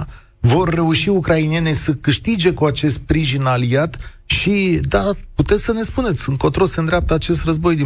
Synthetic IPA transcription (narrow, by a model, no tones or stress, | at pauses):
vo̞rːe̞uʃiukɾainije̞nesəkɨʃt̪id͡ʒe̞kuat͡ʃe̞st̪̚pɾiʒinaliat̪ | ʃid̪aput̪e̞t̪sʲsəne̞spune̞t̪sʲunt̪kot̪ɾo̞lseənd̪ɾeap̚t̪əat͡ʃe̞s̬t̪rəzbo̞jd̪i